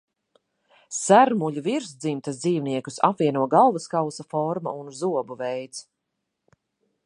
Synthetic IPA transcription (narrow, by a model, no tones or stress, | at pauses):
sæɾmuʎʲuviɾsd̪zimt̪asd̪ziːvniɛkusa̰pviɛnuɔɡalˠvaskawsafɔɾma̰unzuɔbuvɛjt̪s